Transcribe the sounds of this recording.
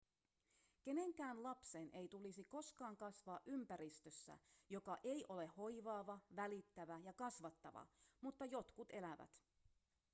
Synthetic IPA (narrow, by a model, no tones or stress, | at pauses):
ke̞ne̞ŋkæːnlɑpse̞nʔe̞jt̪ulisiko̞skɑːŋkɑsʋɑːʔympæɾist̪øsːæ̰jo̞kɑʔe̞jʔole̞ho̞jʋɑːʋɑʋælit̪ːæʋæjɑkɑsʋɑt̪ːɑʋɑ̰mut̪ːɑjo̞t̪kut̪e̞læʋæ̰t̪